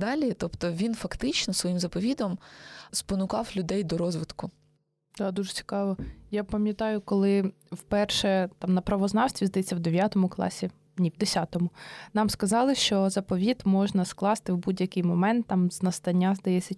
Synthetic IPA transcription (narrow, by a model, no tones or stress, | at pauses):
d̪ɑlʲit̪ɔpt̪ɔʋʲinfɐkt̪ɪt͡ʃnɔsʋɔjimzɐpɔʋʲid̪ɔmspɔnʊkɑwlʲʊd̪ɛjd̪ɔɾɔzʋɪt̪kʊ | d̪ɑd̪uʒɛt͡sʲi̥kɑʋɔjapɐmʲjɐt̪ɑjʊkɔlˠɪ | wpɛrʃɛt̪ɑmnɐpɾɐʋɔznɑwsʲt̪ʋʲizd̪ɐjɛt͡sʲːɐwd̪eʋʲjat̪ɔmʊklˠɑ̰sʲi | nʲiwd̪esʲat̪ɔmʊnɑmskɐzɑlˠɪʃt͡ʃɔzɐpɔʋʲit̪mɔʒnɐsklˠɑst̪ɪwbudʲjɐkɪjmɔmɛnt̪ːɑmznɐst̪ɐnʲːazd̪ɐjɛt͡sʲːɐ